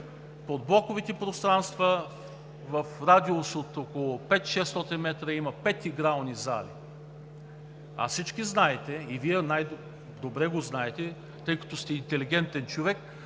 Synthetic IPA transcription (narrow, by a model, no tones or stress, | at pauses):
pod̪̚blˠɔkovit̪ɛpɾost̪ɾanst̪və | vəfɾad̪iosot̪okolˠʊpɛt̪ʃɛst̪ɔt̪inmɛt̪ɾəimɐpɛt̪iɡɾalˠniza̰lḭ | ɐ̰fsit͡ʃkiznaɛt̪ɛiviɛnaj | d̪obɾɛɡoznaɛt̪ɛ | t̪ɤjkɐ̥t̪ost̪ɛint̪ɛliɡ̟ɛnt̪ɛnt͡ʃovɛk